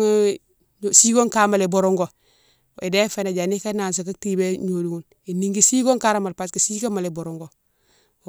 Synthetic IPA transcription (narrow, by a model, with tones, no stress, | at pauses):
si˦ɡo˦ŋka˦ma˨le˨bo˨ɾo˦ŋɡo˨ | ḛ˨de˦fe˦˨na˨d͡ʒa˨ni˦ka˦na˨ns̬a˨k̬a˦ti˦be˦ɲo˨du˨ŋu˦n | i˨ni˦ŋɡi˦si˦ɡo˦ŋka˦ɾa˦ma˨lpa˨ski˨si˦ka˦ma˨le˨bo˨ɾo˨ŋɡo˨